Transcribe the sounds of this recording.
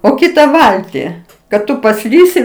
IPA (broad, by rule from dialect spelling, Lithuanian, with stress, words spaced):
oː ˈkʲɪtɐ ˈʋɐlʲtʲɪ kɐt ˈtʊ pɐˈsʲlʲiːsʲɪ